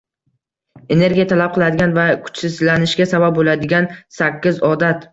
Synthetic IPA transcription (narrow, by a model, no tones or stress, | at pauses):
e̞ne̞ɾɡʲijat̪ʰalap̚qʰɨlˠad̪ɪɡʲanvakʰʊ̥t͡ʃsɪzlanɪʃɡʲasabap̚bolad̪ɪɡʲansakʲːɪzɒd̪at̪